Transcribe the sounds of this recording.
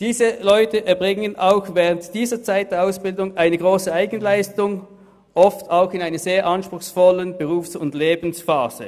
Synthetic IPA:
d̥iːzəlɔʏtəʔɛɐbʁɪŋənʔaʊxvɛːʁəntd̥iːzɐt͡saɪt̚d̥eːɐaʊsb̥ɪldʊŋʔaɪnəɡʁoːsəaɪɡənlaɪstʊŋ | ʔɔftʰaʊxɪnaɪnɐzeːɐʔɑnʃpʁ̥ʊxsfɔlənb̥əʁuːfsʊndleːbn̩sfaːz̥ə̰

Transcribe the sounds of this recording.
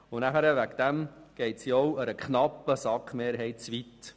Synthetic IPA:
ʊnæχəɾəʋækd̪̥æmɡ̥ɛɪtsiɔwəɾəkχnɑpːəsɑkχmeːɾɦɛɪtt͡sʋit̪

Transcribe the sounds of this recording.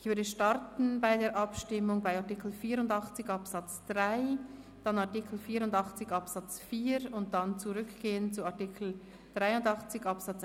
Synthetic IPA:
ʔɪçvʏɐdəʃtɑɾtn̩baɪdeːɐɾʔɑpʃtɪmːʊŋbaɪɑʁtikl̩fiːɾʊndɑχt͡sɪçɑpsɑt͡sd̥ʁaɪ | d̥ɑnɑɐʁtikʰl̩fiːɾʊndɑχt͡sɪçɑpsɑt͡sfiːɾʊnt̚d̥ant͡suʁʏkɡ̥eːənt͡suɑʁtɪkʰl̩ | d̥ʁaɪʊndɑχt͡sɪçɑpsɑt͡s

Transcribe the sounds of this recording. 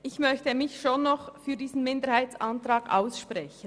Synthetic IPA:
ʔɪçmœçtəmɪçʃonːɔχfyːɐdiːz̥n̩mɪndəɾhaɪt͡sɑntʁɑːɡ̥ʔa̰ʊsʃpʁɛçən

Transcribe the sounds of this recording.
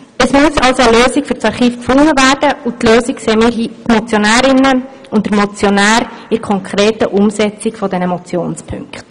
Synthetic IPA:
əsmʉəsɑlsoəløːzɪkfʏɾsɑɾχiːfkfʊŋːəvæːd̥əutløːzɪkseːmiːɾɦiːtmɔt͡sjonæːɾɪnə | ʊntdəmɔt͡sjonæːɾɪɾkʰɔŋkʰʁɾeːtəʔʊmsɛt͡sɪkfɔdɛnəmɔt͡sjoːnspʰʏ̰ŋkχt

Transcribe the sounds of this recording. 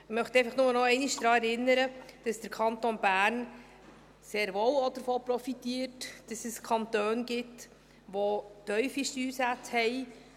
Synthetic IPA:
ɪmœχt̪ɛɪfəχnʊmənɔɛɪniʃd̥ɾɑːɛɾɪnːəɾəd̥ɑsd̥əɾkʰɑntonbæːɾn | seːɾʋoːwod̥əɾfoːpɾɔfitiːɾtd̥ɑsəskʰɑntøːnɡɪt | ʋotœʏfiʃtyːsæt͡shɛɪ

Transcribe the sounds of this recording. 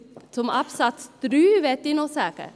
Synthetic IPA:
sɔmɑpsɑt̪st̪ɾyːʋɛt̪ːinɔsæːkə̰

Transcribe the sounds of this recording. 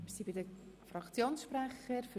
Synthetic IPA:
sibidəfɾɑkt͡sjoːnsʃpɾæχəɾf

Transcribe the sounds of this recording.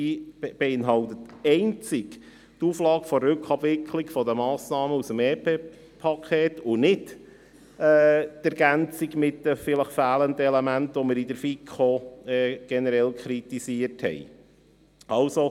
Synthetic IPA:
ib̥ɛɪnɦɑlt̪ətɛɪnt͡sɪɡ | tuːflɑːɡfɔrːʏkχɑbvɪkʰlikfɔd̪əmɑːsnɑːməusəmɛːpʰeː | pʰɑkʰeːtʊnɪt | ɛːæɾɡ̥ænt͡siɡmɪtəfɪləχfæːlənd̪əɛlɛmæntʋɔməɾid̥əɾfikʰχoɛːɡ̥ɛnəɾɛlkχɾit̪isiəɾthɛ̰j | ʔɑʊso

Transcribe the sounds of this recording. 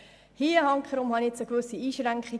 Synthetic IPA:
hiːəhɑŋkχəɾʊmhɑniɛt͡səkʋʏsiiːʃɾæŋkχi

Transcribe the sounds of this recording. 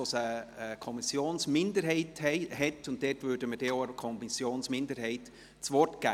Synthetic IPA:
osəkʰɔmɪsjoːnsmɪndəɾɦɛɪtɛhɛtʊnt̚d̥ɛːtvøːdəmədɛoəkʰɔmisjoːnsmɪndəɾɦɛɪt | t͡sʋɔrtɡ̥æ̰ː

